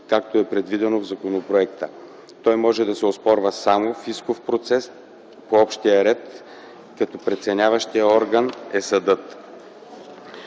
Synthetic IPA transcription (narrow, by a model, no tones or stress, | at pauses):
kak̚t̪oɛpɾɛd̪vid̪ɛnovzɐkonopɾoɛkt̪ə | t̪ɔjmɔʒɛd̪ɐsɛospɔɾvəsamofiskofpɾot̪sɛs | poɔpʃt̪ijəɾɛt̪ | kɐt̪ɔpɾɛt̪sɛnʲavəʃt̪ijəɔɾɡənɛsɐd̪ɤt̪